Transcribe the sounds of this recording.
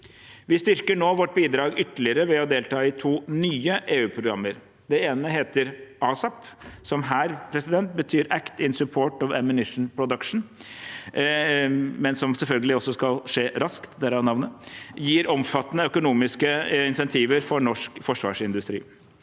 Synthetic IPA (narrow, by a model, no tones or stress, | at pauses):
ʋɪst̪ʏɾkəɳoːʋɔʈːbiːd̪ɾɑːɡʏt̪əlɪəɾəʋɛɔd̪eːlt̪ʰɑːɪt̪ʰuːnyːəʔeːʉːpʰɾʊɡɾɑmːəɾ | d̪ɛeːnəɦeːt̪əɾʔɑːsɑpsɔmɦæːɾpʰɾɛsɪd̪ɛnt̪̚bət̪ʰyːɾækt̪ɪnsʉpʰoːʈɔʋɛmʉnɪʂn̩pʰɾʊd̪əkʂn̩ | mɛnsɔmsɛlfœlɡəlɪɔsːɔskɑlʂeːɾɑskt̪d̪ɛɾɑʋnɑʋnəjiːɾɔmfɑt̪ːənəœkʊnuːmɪskəɪnsɛnt̪ʰiːʋəɾfɔɾɳɔʂkfɔʂʋɑ̰ːʂɪnd̪ʉst̪ɾḭː